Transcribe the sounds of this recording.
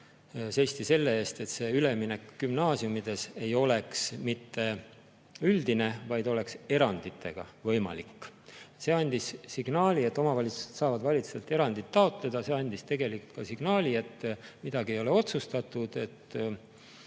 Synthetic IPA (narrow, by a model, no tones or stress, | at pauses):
se̞sʲt̪ise̞lːe̞eːst̪e̞t̪se̞yle̞mine̞kːymnɑːsiumid̪̥e̞se̞jo̞le̞ksmit̪ːe̞ | yld̪̥ine̞vɑjd̪o̞le̞kse̞ɾɑnd̪̥it̪ʰːˑe̞̰ɡ̥ɑ̰vɤ̞jmɑ̰likːˑse̞ːɑnʲd̪̥isːiɡ̥nɑːlʲie̞t̪ːˑo̞mɑvɑlʲit̪u̥se̞̥t̪sɑːvɑd̪vɑlʲit̪suselt̪ːˑe̞ɾɑnd̪̥it̪ːɑo̞t̪ˑle̞d̪̥ɑse̞ɑnʲd̪ist̪e̞ɡe̞likult̪kɑsiɡ̥nɑːlʲie̞t̪ːˑmid̪̥ɑɡiejo̞le̞o̞t̪sust̪ɑt̪ːˑud̪̥e̞t̪ː